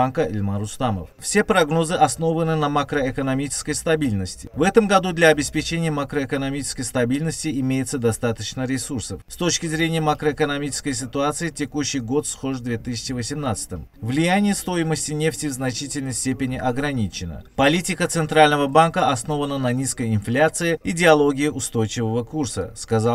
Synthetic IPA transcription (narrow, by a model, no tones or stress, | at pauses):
ankəɪ̰lʲmaɾʊst̪amə̰ffsʲe̞pɾɐɡno̞zɨʔɐsno̞vənɨnəmakɾəɪkənɐmʲit͡ɕɪ̥skəjst̪ɐbʲilʲnəsʲtʲɪ̥vɛt̪əmɡɐd̪ud̪lʲaːbʲɪspʲɪt͡ɕenʲɪjəmakɾəɪkənɐmʲit͡ɕɪ̥skəjst̪ɐbʲilʲnəsʲtʲɪɪmʲejɪt̪səd̪ɐst̪at̪ət͡ɕnəɾʲɪsursəfst̪o̞t͡ɕkʲɪzɾʲenʲɪjəmakɾəɪkənɐmʲit͡ɕɪ̥skəjs̬ʲɪt̪ʊat̪sɨɪtʲɪkuɕːɪjɡo̞t̪sxo̞ʐvd̪vʲet̪ɨsʲɪ̥t͡ʃɪvəsʲɪmnat̪sə̥t̪əmvlʲɪjanʲɪjəst̪o̞jɪməsʲtʲɪnʲe̞ftʲɪvznɐt͡ɕitʲɪlʲnəjsʲtʲepʲɪnʲɪʔɐɡɾɐnʲit͡ɕɪnə̰pɐlʲitʲɪkət̪sɨnt̪ɾalʲnəvəbankəɐsno̞vənənɐnʲiskəjɪnflʲat̪sɨɪɪdʲɪɐlˠo̞ɡʲɪjɪʊst̪o̞jt͡ɕɪvəvəkursə̰skɐza